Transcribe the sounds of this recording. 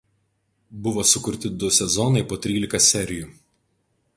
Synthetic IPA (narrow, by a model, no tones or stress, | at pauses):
bʊʋoːsʊkʊɾʲt̪ʲɪd̪ʊsʲɛzɔnɐɪpoːt̪ʲɾʲiːlʲɪkɐsʲɛɾʲɪjuˑ